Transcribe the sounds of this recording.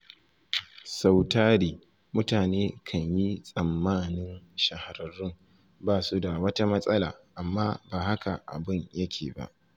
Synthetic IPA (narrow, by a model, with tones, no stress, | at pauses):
sa˨wtaː˦ɽiː˦ | mʊ˦taː˨neː˦kʰɐ˨ɲji˦sʼɐ˨mːaː˦nɪ˦nʃɐ˨ha˨ɾɐ˨ɾɪ˦ŋ | baː˦su˦da˨wɐ˦ta˦mɐ˦sʼɐ˦la̰ː˨ʔa˨mːaː˦baː˨ha˦ka˨ʔa̰˨bɪ˦ɲjɐ˦kʲʰeː˨ba̰˦˨ʔ